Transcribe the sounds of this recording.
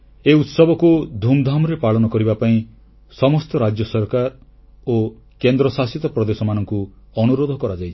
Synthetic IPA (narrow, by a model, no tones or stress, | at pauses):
eut̪sɔbɔkud̪ʱumd̪ʱamɔɾepaɭɔnɔkɔɾibapaĩ | sɔmɔst̪ɔɾad͡ʒjɔsɔɾkaɾ | o | kend̪ɾɔsasit̪ɔpɾɔd̪esɔmanɔŋkuɔnuɾod̪ʱɔkɔɾad͡ʒajt͡ʃʰ